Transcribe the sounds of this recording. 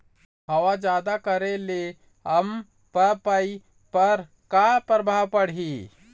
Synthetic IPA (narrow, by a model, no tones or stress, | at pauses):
ɦəwad͡ʒjaːd̪akəɾele | ɦəm | pəpəi | pəɾ | kapɾəbʱaʋpəɽ̤ɦi